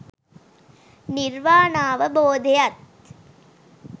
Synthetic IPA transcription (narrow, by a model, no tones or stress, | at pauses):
nɪɾʋaːnaːʋɐboːd̪ejɐt̪̚